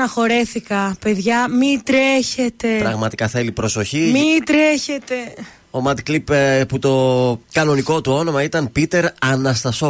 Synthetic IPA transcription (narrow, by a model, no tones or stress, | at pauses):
ɐxo̞ɾe̞θikɐpe̞ðʝɐmid̪ɾe̞çe̞t̪e̞pɾɐɣmɐt̪i̥kɐθe̞lipɾo̞so̞çimid̪ɾe̞çe̞t̪e̞ | o̞mɐd̪klipput̪o̞kɐno̞niko̞t̪uo̞no̞mɐit̪ɐnpit̪e̞ɾɐnɐst̪ɐso